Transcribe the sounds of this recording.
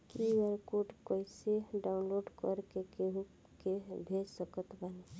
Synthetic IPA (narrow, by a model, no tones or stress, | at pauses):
kiwəɾkoɖkoiseɖaʊnloɖkəɾkekeɦu | kebʱesəkət̪bəne